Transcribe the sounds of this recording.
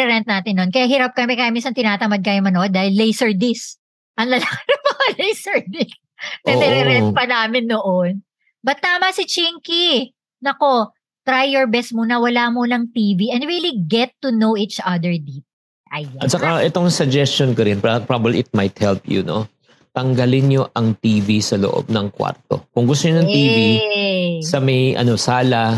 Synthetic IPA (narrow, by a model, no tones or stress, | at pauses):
ɛɾɛnt̪̚naːt̪ɪnːonkɐjaɦiɾap̚kɐmɛkajaminsɐnt̪ɪnaːt̪ɐmɐd̪̚kaːjomɐnoʔod̪̚aːhɪlːejsɛɹd̪ɪs | ʔɐŋlɐlakɾɐpɐɐlejsɛɹd̪ɪs | nɛnɛɾɛɾɛnt̪̚pɐnaːmɪnːoʔon | bɐt̪ːaːmɐsɪt͡ʃiŋki | nɐko̞ | t̪ɾajːɔɹbɛst̪̚monɐwɐlamonɐŋt̪iːviʔɛ̃nd̪ɹiliɡɛt̪ːunowʔit͡ʃʔɐd̪ɛɹd̪it̪̚ | ʔɐjɐt̪t͡ʃɐkaʔɛt̪o̞ŋsɐɡd͡ʒɛst͡ʃonkoɾɪnpapɹabɐbliʔɪt̪̚mɐjt̪̚hɛlpjṵno̰ | t̪ɐŋɡɐlɪnɲo̞ʔɐŋt̪iːvisɐloʔo̰b̚nɐŋkwa̰ɾt̪o̞̰kʊŋɡʊst̪oɲonɐŋt̪iːvi | sɐmɐjʔɐ̰no̞saːlɐ